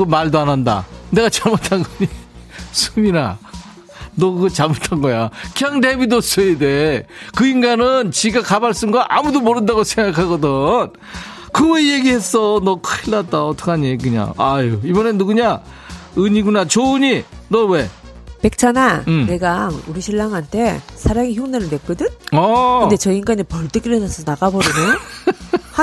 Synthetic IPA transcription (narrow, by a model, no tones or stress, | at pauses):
ɯmaɭdoananda̰ne̞ɣat͡ɕaɭmotʰanɡʌɲisʰumina | nʌɡʌt͡ɕamotʰanɡʌjakjaŋdebidos͈ʰʌidekɯinɡanɯnt͡ɕiɡakabaɭs͈ɯnɡaʔamudomoɾɯndaɣosʰeŋɡakʰaɡʌdɯn | kɯweje̞ɡihe̞s͈ʌnʌkʰɯiɭːat̚t͈aʌt͈ʰʌ̥kʰeaɲieɡɯɲa̰a̰joibʌnenːduɡɯɲa | ɯɲiɡunat͡ɕoɯɲinʌwe̞pe̞k̚t͡ɕʰanaɯmne̞ɡauɾiɕʰiɭːaŋɦantʰe̞sʰaɾaŋiçjoŋnenɯɭme̞k͈ɯdɯnʌɯde̞t͡ɕʌiiŋɡanepʌɭt͈ek͈iɾenansʰʌnaɡabʌɾinejo | ha